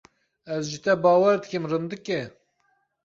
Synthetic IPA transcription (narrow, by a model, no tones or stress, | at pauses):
ɛzʒit̪ʰɛbɑːwɛɾd̪ɨkimrɨnd̪ɨkɛ